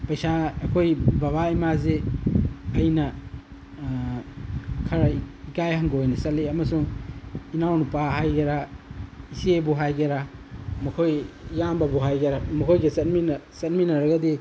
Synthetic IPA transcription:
pɐjsaɐkʰojbaβaimaze | ɐjnɐ | kʰɐɾɐikajhɐŋɡoojnɐsɐtleɐmɐsuŋinawnupaɦajɡeɾa | isiebuɦajɡeɾamɐkʰojːambɐbuɦajɡeɾamɐkʰojɡesɐt̚minsɐt̚minɐɾɐɡɐdi

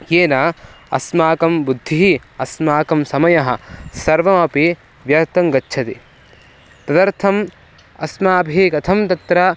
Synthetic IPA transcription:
jeːnaː | ɐ̰smaːkɐmbud̪ʱːiɦiɐsmaːkɐmsɐmɐjɐɦɐ̰̆sɐɾʋɐmɐpi | ʋjɐɾt̪ɐŋɡɐtːʃʰɐt̪i | pɾɐd̪ɐɾt̪ʰɐm | ɐ̰smaːbʱikɐt̪ʰɐmt̪ɐt̪ɾɐ

